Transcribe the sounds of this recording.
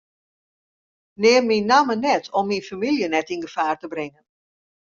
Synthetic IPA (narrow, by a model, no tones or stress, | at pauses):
neːrminːamənɛtʰɔmːinfamiljənɛtinɡəfaːrtəbrɪŋən